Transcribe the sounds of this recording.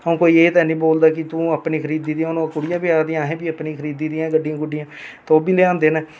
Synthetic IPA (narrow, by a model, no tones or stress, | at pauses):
ɦũːkoːiːeːt̪ɛːnĩːboːld̪aːkɪt̪ũːəpniːkʰəɾiːd̪iːd̪iãʊnõkʊɽɪjãːbɪjaːd̪iãːɦẽːbiːəpniːkʰəɾiːd̪iːd̪ijãːɡəɖːijãːkʊɖɪjãːt̪oːbiːleãːnd̪eːnɛː